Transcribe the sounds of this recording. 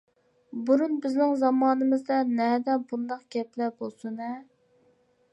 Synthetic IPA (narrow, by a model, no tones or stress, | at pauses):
buɾunbɪznɪŋzɑmɑːnɨmɨzd̪ɑnɛd̪ɛbund̪ɑqɡ̥ʲɛplɛbolˠsunɛ